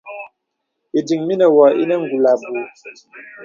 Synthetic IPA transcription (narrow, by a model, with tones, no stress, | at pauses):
i˨di˨ŋmi˦nə˨wɔ˨ʔi˦nə˦ŋ̩˨ɡu˨la˨bu˨